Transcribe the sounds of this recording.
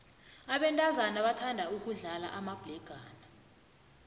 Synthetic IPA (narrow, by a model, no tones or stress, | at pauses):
aɓɛntʼazanaɓatʰandʱauk̬uɮala̰ʔamab̥lɛɡ̥ʱaːna